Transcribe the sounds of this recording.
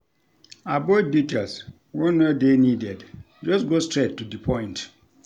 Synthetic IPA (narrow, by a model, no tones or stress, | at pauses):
abɔt̚ditels | wɔ̃nɛdenidɛd | d͡ʒɔsɡostɹetːudipʰɔ̃j̃nt